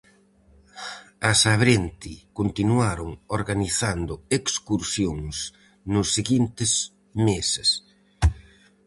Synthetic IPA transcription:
asaβɾent̪ikont̪inuaɾʊŋoɾɣaniθand̪ʊekskuɾsjoŋs | nʊsːeɣint̪ɪs | mesɪs

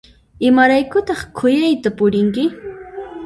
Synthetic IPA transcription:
ɪmaɾajkʊt̪ɑχkʰʊjajt̪apʊɾɪŋkɪ

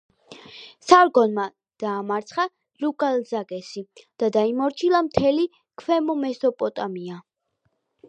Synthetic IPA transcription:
saɾɡɔnma | d̪̥aːmaɾt̪sʰχa | ɾukʼalzaɡɛsid̪̥ad̪aimɔɾt͡ʃʰilˠamt̪ʰɛli | kʰwɛmɔmɛsɔpʼɔt̪ʼamia

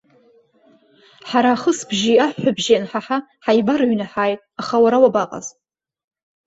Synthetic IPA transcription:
ħaɾaːχəsbʒiaħːabʒanħaħaħajbaɾɥnaħaːjtʼaχawaɾawabaqʼa̰z

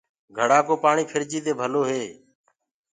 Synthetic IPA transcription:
ɡʱəɽaːkoːpaːɳiːpʰɪɾd͡ʒiːt̪eːbʱəloːɦeː

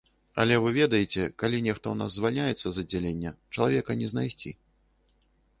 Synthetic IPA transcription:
ɐ̰lʲɛvɨvʲɛd̪ɐjet͡sʲɛkalʲinʲɛxt̪ɐuna̰zːvalʲnʲajɛt̪sːɐzɐd͡zʲalʲenʲːɐt͡ʂɐlˠavʲɛkɐnʲɛznajsʲt͡sʲḭ

